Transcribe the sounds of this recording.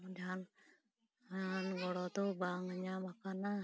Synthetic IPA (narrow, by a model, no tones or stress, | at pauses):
mudan | anɡɔlɔt̪ubaŋaɲamakana